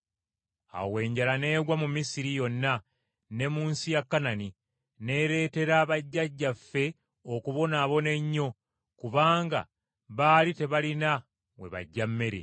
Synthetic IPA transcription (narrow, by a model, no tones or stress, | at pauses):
a̰we̞ːɲɟalane̞ːɡwamumisiɾijo̞nːa | ne̞muːnsijakːanani | ne̞ːɾe̞ːte̞ɾaːβaɟːaɟːafːe̞ | okuβo̞naːβo̞ne̞ɲːo̞ | kuβaːŋɡa̰ | βaːlite̞βalina | we̞̰βa̰ɟːamːe̞ɾḛ